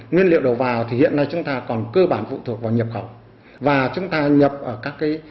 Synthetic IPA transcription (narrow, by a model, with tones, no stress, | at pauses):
ŋwi˧ənlḭ˧˨əwɗə˨˩wvaː˨˩wt̪ʰi˨˩hḭ˧˨ənːa˧jt͡ɕʊ˨˦ŋ͡mt̪aː˧kɔ˨˩nkəː˧ɓaː˧˩nfṵ˧˨t̪ʰu˨˩ək̚vaː˨˩wɲə˨˩p̚xə˧˩w | vaː˨˩t͡ɕʊ˨˦ŋ͡mt̪aː˧ɲə˨˩p̚ʔəː˧˩kaː˦˥kːaː˨˦j